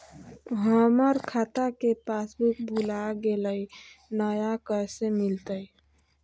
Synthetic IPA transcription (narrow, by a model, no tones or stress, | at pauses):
ɦəməɾkʰat̪akepasbʱuk̚bʱulaɡeləjnəjakəjsemilt̪əj